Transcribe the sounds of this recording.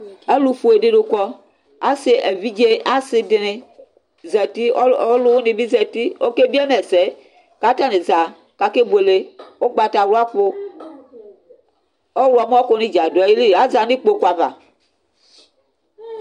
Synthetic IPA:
e˦lu˦fu˨e˨ɖe˦ɖo˨kɔ˦ | a˦se˨ʔe˨vi˦d͡ʒe˦a˦sɪ˨de˨ne˨ | zɛ˨t̪i˦o˦lo˦wo˦nĩ˨bi˦zɛ˨t̪i˦o˦ke˦bi˦e˦mɛ˨se˨˦ | ka˦t̪a˦ne˨za˨ | ka˨ke˦be˨le˨wo˦ɡ͡ba˨t̪a˨wu˦a˦k͡po˦ | o˦wu˨a˨m˦ɔ˦ko˨nĩ˦d͡ʒa˨do˨a˨ji˦li˦˨a˦za˨ni˦k͡po˦ko˦a˨va̰˨

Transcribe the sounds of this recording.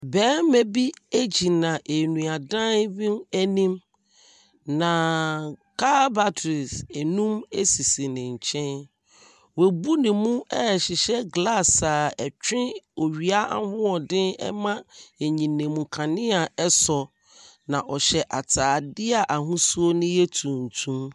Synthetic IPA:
bɛː˦mɛ̃˦bi˦æ˦d͡ʑi˨nã˨ʔe˨nũ˨a˨dã˦wĩ˦næ˦nĩ˦m | nã˨ | kʰa˦ba˨tʰɾi˨se˨nũ˦me˦si˨si˨nɪ̃˨ɲ̩˨t͡ɕʰɛ̃˦n | we˨bu˦nɪ̃˨mũ˦ɛ˦˨ɕɪ˨ɕɛ˦ɡla˦sa˨ɛ˨t͡ɕᶣɪ̃˦o˨ɥi˨a˦a̰˨hʊ̃˦ɔ˨dɪ̃˦nɛ̰˦mã˦ɛ˨ɲĩ˨nɪ̃˨mũ˨kʰã˨nɪ̃˦a˨ɛ˦sɔ˨ | nã˨ʔɔ˨ɕɛ˨ʔa˨tʰaː˨dɪ˦a˨ʔa˨ɦũ˦su˦o˦nɪ̃˦jɛ˦tʰũ˨n̩˨tʰũ˦m

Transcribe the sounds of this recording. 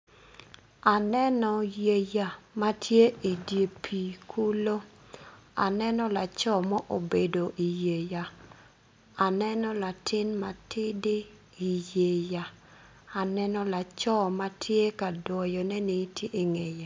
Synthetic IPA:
a˨nɛ˦nɔ˨je˨ja˨ma˦tʰje˦i˨dje˨pʰi˨kʰu˦lo˦ | a̰˨nɛ˦nɔ˦la˨t͡ʃɔ˦mɔ˦ʔo˨be˨do˨ʔi˨je˨ja˨ | a˨nɛ˦nɔ˦la˨tʰɪ˦nma˨tɪ˦dɪ˦ | i˨je˨ja˨ | a˨nɛ˦nɔ˦la˨t͡ʃɔ˦ma˦tʰje˦ka˨dwɔ˨jɔ˨nɛ˦nɪ˦tje˦i˨ŋe˨ja˨

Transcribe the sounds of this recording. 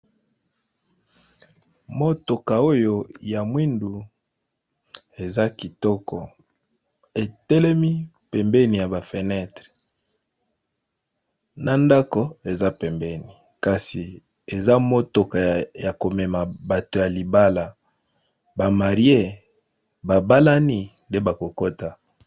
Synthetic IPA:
mo˦to˨ka˨o˦jo˦ja˨mwi˦ndu˨ | e˨za˦ki˨tɔ˦kɔ˨ | e˨tɛ˦lɛ˦mi˦ | pɛ˨mbɛ˦ni˨ja˨ba˨fe˨nɛ˦tʁe̥˨ | na˨nda˦ko˦e˨za˦pɛ˨mbɛ˦ni˨ | ka˨si˨ | e˨za˦mo˦to˨ka˨ja˨ko˨mɛ˨ma˨ba˨to˨ja˨li˨ba˦la˨ | ba˨ma˨ʁje˦˨ | ba˨ba˦la˦ni˦nde˦ba˨ko˨ko˦ta˨

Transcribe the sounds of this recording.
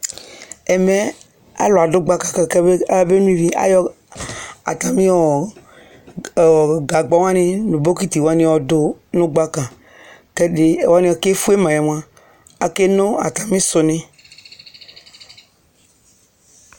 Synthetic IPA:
e˨me˦ | a̰˦lo˨a˨do˦ɡ͡ba˦ka˨ka˨ke˦e˦be˦nũ˦i˦vi˦a̰˦jɔ˦ | a̰˨t̪a˨mĩ˦wɔ˨ | ɔ˨ɡa˨ɡ͡bɔ˦ŋ˦ã˦nẽ˦nũ˨bo˦ki˦t̪i˨wo˦a˦nĩ˦wɔ˨do˦nõ˦ɡ͡ba˦kã˨ | ke˦ɖe˦˨wa˦nĩ˦wɔ˨ke˦fu˦e˦mã˨jɔ˨m˦ã˦ | a˨ke˦nõ˦a̰˨t̪a˨mĩ˦so˨nẽ˦

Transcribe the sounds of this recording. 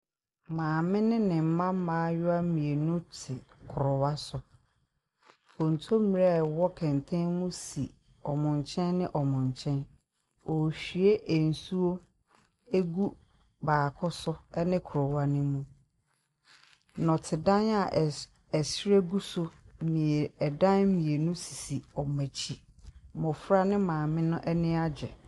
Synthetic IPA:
mãː˨mɪ̃˦nɪ̃˦nɪ̃˨m̩˦mã˦m˦mã˦jʊ˦a˦m̩˦mĩ˨e˨nũ˦tʰɪ˨kʰʊ˨ɾʊ˨wa˦sʊ˨ | ɔ˨n̩˨tʰo˦mĩ˨ɾe˦˨wɔ˦kʰɛ̃˨n˨tʰɛ̃˦nmũ˦sḭ˨ | ɔ˨mʊ̃˨ɲ˨t͡ɕʰɛ̃˦nːɪ̃˦ʔɔ˨mʊ̃˨ɲ˨t͡ɕʰɛ̃˦n | ɔ˨ɕᶣi˨e˦ʔe˨n̩˨su˦o˦ | e˦ɡu˦ | baː˨kʰɔ˦sʊ˦ɛ˦nɪ̃˦kʰʊ˨ɾɔ˨wa˦nɪ̃˦mũ˦ | nɔ̃˨tʰɪ˨dã˦na˨ | ɛ˨sɾe˦ɡu˦sʊ˦mĩ˨e˨ɛ˨dã˦n˦mĩ˨e˨nũ˦si̥˨si˨ɔ˨mæ̃˨t͡ɕʰi˨ | mɔ̃˨fɾa˦nɪ̃˦mãː˨mɪ̃˦nʊ̃˦ʔɛ˦nɪ̃˦a˦d͡ʑᶣɛ˨

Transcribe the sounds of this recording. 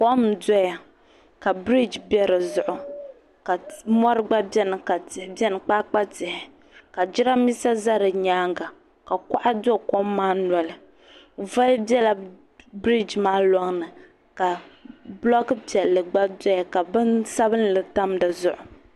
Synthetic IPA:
ko˦m˨dɔ˦ja˨ | ka˨bɾi˦d͡ʒbɛ˦ɾɨ˨zʊ˨ʔʊ˨ | ka˨mɔ˦ɾɨ˦ɡ͡ba˦bɛ˦nɨ˨ka˨tɪ˨hbɛ˦nɨ˨k͡paː˦k͡pa˦tɪ˨hɪ˨ | ka˨d͡ʒi˦ɾa˦mi˦sa˦za˦ɾɨ˨ɲaː˦ŋɡa˨ | ka˨ka˦ʔa˦do˦ko˦mːaː˦nɔ˨lɨ˨ | va˦lbɛ˦la˦ | bɾi˦d͡ʒmaː˦lɔ˦ŋnɨ˨ | ka˨blɔ˦kɨ˦pɛ˨lːɨ˨ɡ͡ba˦dɔ˦ja˨ka˨bɨ˦nsa˦bɨ˦n˦lɨ˨ta˦mdɨ˨zʊ˨ʔʊ˨

